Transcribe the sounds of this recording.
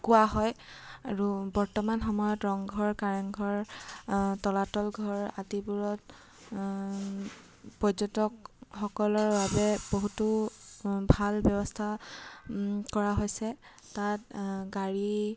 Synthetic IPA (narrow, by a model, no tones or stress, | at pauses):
kʊwaɦɔjaɹubɔɹtɔmanxɔmɔjɔtɹɔŋɡʱɔɹkaɹanɡʱɔɹ | tɔlatɔlɡʱɔɹatibuɹɔt̚ | pɔzɔtɔk̚xɔkɔlɔɹbabɛb̥oɦutu | bʱalbɔbɔstʰa | kɔɹaɦojsɛ | tat̚ɡaɹi